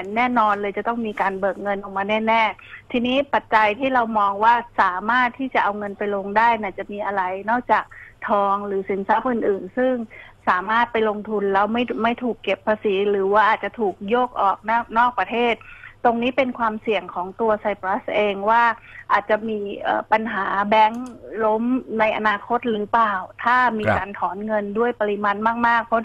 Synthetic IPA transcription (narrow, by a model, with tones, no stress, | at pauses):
nɛː˥˩nɔː˧nlɤː˧jt͡ɕa˨˩t̪ɔ˥˩ŋmiː˧kaː˧nbɤː˨˩k̚ŋɤ˧nʔɔː˧˩ŋmaː˧nɛː˥˩nɛː˥˩t̪ʰiː˧niː˦˥pa˨˩t̪̚t͡ɕa˧jt̪ʰiː˥˩ɾa˧wmɔː˧ŋwaː˥˩saː˩˦maː˥˩t̪ʰːiː˥˩t͡ɕa˨˩ʔa˧wŋɤ˧npa˧jlo˧ŋdaː˥˩jna˧˩t͡ɕa˨˩miː˧ʔa˧ɾa˧jnɔː˥˩k̚t͡ɕaː˨˩k̚t̪ʰɔː˧ŋɾɯː˩˦si˩˦nsa˦˥p̚ʔɯ˨˩nʔɯː˨˩nsɯ˥˩ŋsaː˩˦maː˥˩t̪̚pa˧jlo˧ŋt̪ʰu˧nlɛː˦˥wma˥˩jma˥˩jt̪ʰuː˨˩kːe˨˩pʰːaː˧siː˩˦ɾɯː˩˦waː˥˩ʔaː˨˩t̪t͡ɕa˨˩t̪ʰuː˨˩k̚joː˥˩k̚ʔɔː˨˩k̚na˥˩nɔː˥˩k̚pɾa˧t̪ʰeː˥˩t̪̚ːo˧ŋniː˦˥pe˧nkʰwaː˧msi˨˩əŋkʰɔː˩˦ŋt̪u˧ɐsa˧jpɾa˦˥sʔeː˧ŋwaː˥˩ʔaː˨˩t̪̚t͡ɕa˨˩miː˧ʔəː˨˩pa˧nɦaː˩˦bɛ˦˥ŋlo˦˥mna˧jʔa˧naː˧kʰo˦˥t̪̚ɾɯː˩˦paː˨˩wt̪ʰaː˥˩miː˧kaː˧nt̪ʰɔː˩˦nŋɤ˧ndu˥˩əjpa˧ɾi˧maː˧nmaː˥˩k̚maː˥˩k̚pʰɔ˦˥